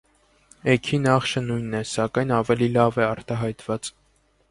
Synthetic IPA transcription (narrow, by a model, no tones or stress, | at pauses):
ɛkʰinɑχʃənujnːɛsɑkɑjnɑvɛlilɑvɛɑɾt̪ɑɦɑjt̪vɑt͡s